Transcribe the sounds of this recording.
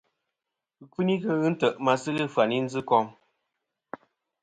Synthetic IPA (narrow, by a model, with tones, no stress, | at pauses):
ɨ˨ki˦ni˦kə˦ɣɨ˦n̩˦tə˨ʔma˨sɨ˦ɣɨ˦fwa˨ni˦n̩˦d͡zɨ˦kɔ˦m